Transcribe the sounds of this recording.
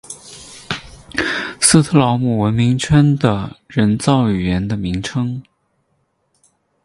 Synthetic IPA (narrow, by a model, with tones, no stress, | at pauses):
s̩˥t̪ʰɤ˥˧˩lɑ˧˥ʊmu˨˩wə˧˥nmi˧˥ŋt͡ɕʰɥə˥nd̪ə˨ɻə˧˥nt͡sɑ˥˩ʊy˨˩ɥɛ˧˥nd̪ə˧mi˧˥ŋʈ͡ʂʰɤ˥ŋ